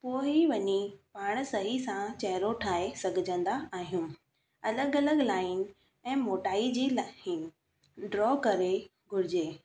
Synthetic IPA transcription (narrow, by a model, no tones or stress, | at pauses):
poːiʋɐɲipaːɽ̃̆sɐɦisãt͡ɕɐɦɾoʈʰaːɦesɐɡʱɪd͡ʑʱə̃nd̪aaːɦijũː | ɐləɡɐləɡlaːɪn | ɛ̃ːmoːʈaːid͡ʑiːlaːɦɪn | ɖɾɔːkɐɾe | ɡʱʊɾɪd͡ʑeː